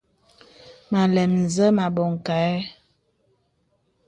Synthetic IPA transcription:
ma˨lɛ˨mn˨zə˦ma˨bɔ˨ŋ˨ka˨˦

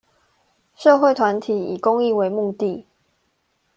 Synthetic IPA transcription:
ʂɤ˥˧xwe˥˨ɪt̪ʰwa˧˦nt̪ʰi˨˩˦ḭ˨˩ko˦ŋi˥˨we˧˦ɪmu˥˧t̪i˥˨

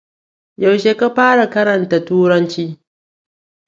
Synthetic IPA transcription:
ja˨wʃe˦ka˦ɸaː˦ɽa˨kɐ˦ɾɐ˨nta˨tuː˦ɾɐ˦nt͡ʃiː˦

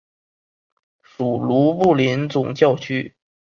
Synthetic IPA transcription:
ʂu˨˩lu˧˥pu˥˩li˧˥nt͡sʊ˨˩ŋt͡ɕjɑ˥˧ʊt͡ɕʰy˥

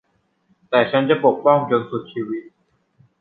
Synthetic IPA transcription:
t̪ɛː˨˩t͡ɕʰa˦˥nt͡ɕa˨˩po˨˩k̚pɔ˥˩ŋt͡ɕo˧nsu˨˩t̪̚t͡ɕʰiː˧wi˦˥t̪̚

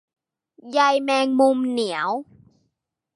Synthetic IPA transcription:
ja˧jmɛː˧ŋmu˧mni˩˦əw

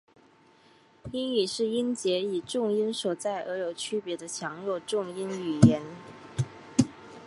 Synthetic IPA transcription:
i˥ny˨˩ʂɻ̩˥˩i˥nt͡ɕjɛ˧˥i˨˩ʈ͡ʂʊ˥˩ŋi˥nʂwɔ˨˩t͡sa˥˩ɪʔə˧˥jo˧˩ʊt͡ɕʰy˥pjɛ˧˥d̪ə˧t͡ɕʰjɑ˧˥ŋlo˥˧ʊʈ͡ʂʊ˥˩ŋi˥ny˨˩jɛ˧˥n

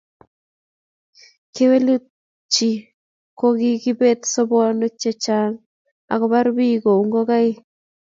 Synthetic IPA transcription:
ke˦we˦lu˦ | t͡ʃi˨ | ko˦ɡɪ˦ɡɪ˦be˦t̪sɔ˦bɔ˦no˦t͡ʃɛ˦t͡ʃa˨ŋ | a̰˨kɔ˦ba˦ɾbi˦ɡo˨u˨ŋɡo˦ɡa˦ɪ˦

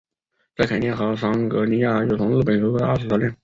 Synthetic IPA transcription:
t͡sa˥˩ɪkʰa˨˩njɛ˥˩nxɤ˧˥ʂɑ˥ŋkɤ˧˥ni˧˥ja˥˩jo˥˩t̪ʰʊ˧˥ŋl̩˥˩pə˨˩nʂo˧˥˧a˥˩ʂ̩˨˩t̪ɑ˥˧ljŋ

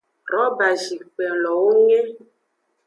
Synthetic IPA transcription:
ɾɔ˨˦ba˨ʒi˨k͡pɛ˨lɔ˨wo˦ŋe˦

